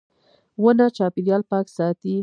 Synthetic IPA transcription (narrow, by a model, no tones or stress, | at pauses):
wənat͡ʃɑpiɾjɑlpɑksɑt̪i